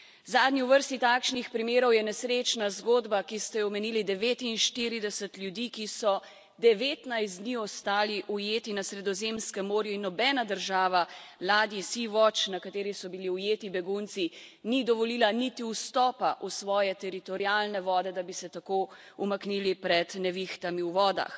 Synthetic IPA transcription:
zaːd̪niuʋəɾst̪it̪akʃnixpɾimeːɾɔwjɛnɛsɾeːt͡ʃnazɡoːd̪bakist̪ɛɔmɛniːlid̪ɛʋeːt̪inʃt̪iɾid̪ɛsət̪lʲjud̪ikisɔ | d̪ɛʋeːt̪najsd̪niɔst̪aːliʔujeːt̪inasɾɛd̪ɔzemskɛmːoːɾjuinːɔbɛːnad̪əɾʒaːʋalaːd̪jisiʋɔt͡ʃnakat̪eːɾisɔbiliujeːt̪ibɛɡunt̪si | nid̪ɔʋɔliːlanit̪iwst̪ɔːpaʔusʋɔːjɛt̪ɛɾit̪ɔɾiaːlnɛʋɔːd̪ɛd̪abisɛt̪ako | umakniːlipɾɛd̪nɛʋixt̪amiwʋɔːd̪a̰x

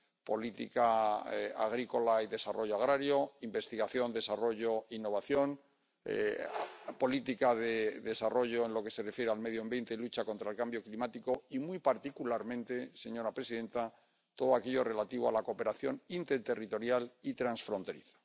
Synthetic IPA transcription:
po̞lit̪ḭka | a̰ɣ̞ɾiko̞laiðe̞sarʔo̞ʝoaɣɾaɾjo̞imbe̞st̪iɣaθjo̞nd̪e̞saro̞ʝo̞inːo̞β̞aθjo̞n | po̞lit̪ikaðeðe̞saro̞ʝo̞e̞nlo̞ke̞se̞refjeɾealme̞ðjoembje̞nt̪elut͡ʃako̞nt̪ɾaelkambjo̞klimat̪iko̞imujpaɾt̪ikulaɾmẽnt̪e̞se̞ɲo̞ɾapɾe̞siðe̞nt̪a | t̪o̞ð̞oake̞ʎo̞re̞lat̪iβa̰lako̞pe̞ɾaθjo̞nint̪e̞ɾt̪e̞rit̪o̞ɾjalit̪ɾansfɾo̞nt̪e̞ɾḭθḁ

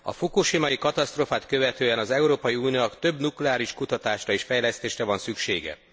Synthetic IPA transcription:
ɒ̰fokuʃimɒjikɒt̪ɒst̪roːfaːt̪kø̞vɛt̪øːɛnɒzɛuɾoːpɒjiunijookt̪ø̞bnuklɛaːɾiʃkut̪ɒt̪aːʃrɒeːʃfɛjlɛst̪eːʃrɛvɒnsykʃeːɡɛ̰

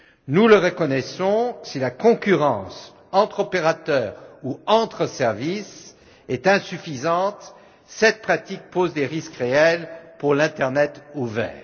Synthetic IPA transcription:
nuləʁəkɔnɛsɔ̃silakɔ̃kʲyʁɑ̃s | ɑ̃t̪χɔpeʁat̪œːʁuɑ̃t̪χəsɛʁvis | ɛt̪ɛ̃syfizɑ̃t̪ | sɛt̪̚pχat̪ik̚pozd̪eʁiskʁeɛlpuʁlɛ̃t̪ɛʁnɛt̪uvɛ̰ːʁ

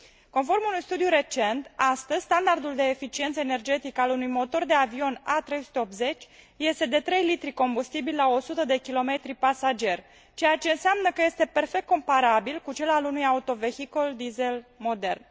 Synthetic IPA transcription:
ko̞nfo̞rmunujst̪ud̪juɾe̞t͡ʃe̞nt̪ast̪əzʲst̪and̪ard̪uld̪e̞ːfit͡ʃie̞nt̪səene̞rd͡ʒe̞t̪ikalunujmo̞t̪o̞rd̪e̞avio̞nat̪ɾe̞jsu̥t̪eo̞p̪̚ze̞t͡ʃʲ | je̞st̪e̞d̪e̞t̪ɾe̞jlit̪ɾiko̞mbust̪ibilʲlaosut̪əd̪e̞kʲilo̞me̞t̪ɾipasad͡ʒe̞rʲ | t͡ʃe̞jat͡ʃe̞ɨnseamnəkəje̞st̪e̞pe̞rfe̞kt̪ko̞mpaɾabilkut͡ʃe̞lalunujaut̪o̞ve̞xiko̞ld̪izelmo̞d̪e̞̰rn

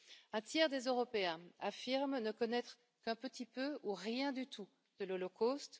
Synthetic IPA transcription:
ɛ̃t̪jɛʁd̪ezøʁɔpeɛ̃afiʁmnəkɔnɛt̪χə | kɛ̃pət̪ipøuʁjɛ̃d̪yt̪u | d̪̥əlɔlɔkost̪

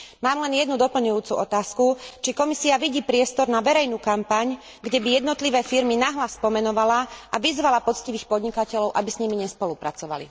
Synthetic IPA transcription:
maːmlɛnjɛd̪nud̪ɔpl̩ɲujuːt͡suʔɔt̪aːskut͡ʃikɔmisiaʋiɟiːpɾɪɛst̪ɔɾnaʋɛɾɛjnuːkampaɲ | ɡɟɛbijɛd̪nɔt̪liʋɛːfiɾminaɦlaspɔmɛnɔʋalaʔaʋizʋalapɔt͡sciʋiːxpɔd̪ɲikacɛʎɔʊʔabisɲimiɲɛspɔlupɾat͡sɔʋa̰lḭ

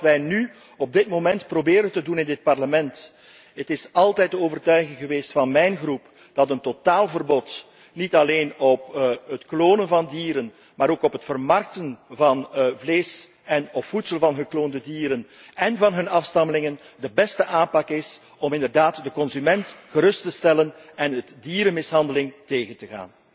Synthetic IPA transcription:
ʋɛjny | ɔb̚dɪtmomɛntprobeːɾəntədunɪndɪt̚pɑrləmɛnt | ɦətɪsɑlˠtɛjt̚dəoːvərtœɥɣɪŋɣəʋeːstfɑnmɛjnɣrup | d̥ɑtəntotaːlˠvərbɔt | nitɑleːnɔpɦətkloːnənvɑndiːɾən | maːɾoːkɔpɦətfərmɑrk̚tənvɑnvleːs | ɛnɔpfutsəlˠvɑnɦəkloːndədiːɾənɛnvɑnɦɵnɑfstɑməlɪŋən | dəbɛstəʔaːnpɑkɪs | ɔmɪndərdaːtdəkɔnzymɛntxəɾɵstəstɛlənɛnətdiːɾəmɪsɦɑndəlɪŋteːɣəntəɣa̰ːn

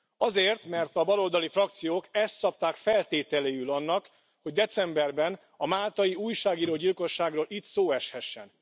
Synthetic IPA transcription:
ɒzeːrt̪mɛrt̪ɒbɒlo̞ld̪ɒlifrɒk̚t̪sijoːkɛst̪kɒp̚t̪aːkfɛlt̪eːt̪ɛleːjylɒnːɒk | ho̞ɟd̪ɛt̪sɛmbɛrbɛn | ɒmaːlt̪ɒjiuːjʃaːɡiːɾoːɟilko̞ʃːaːɡroːlʔit̪soːɛʃhɛʃːɛ̰n

